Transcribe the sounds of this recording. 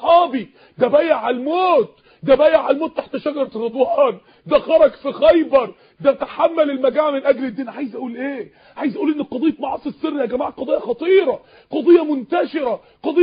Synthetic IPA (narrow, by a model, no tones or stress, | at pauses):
ħɑːbi | d̪æbæːjeʕalmoːt̪ | d̪æbæːjeʕalmoːt̪ːaħt̪ːæʃæɡɑɾˤt̪ɾɑd̪ˤwɑːn | d̪æxɑɾˤɑɡfixæjbɑɾˤ | d̪æt̪aħamːælelmæɡæːʕmenʔæɡled̪ːinʕaːjezʔæʔuːlʔeː | ʕaːjezʔæʔuːlʔenːeqɑd̪ejːet̪mɑʕɑsˤisːerːihæɡæmaʕqɑd̪ˤɑjːɑxɑt̪ˤiːɾˤɑ | qɑd̪ˤejːɑmont̪æʃeɾæ | qɑd̪e